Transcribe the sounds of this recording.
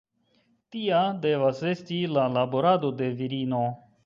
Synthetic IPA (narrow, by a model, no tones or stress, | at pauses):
t̪iadevasestilalaboɾad̪odeviɾiːno